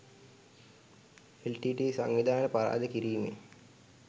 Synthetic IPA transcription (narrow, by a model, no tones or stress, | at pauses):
elʈiːʈiːsa̰ŋʋid̪ʱaːnəpaɾa̰ːd̪əkiɾiːmḛ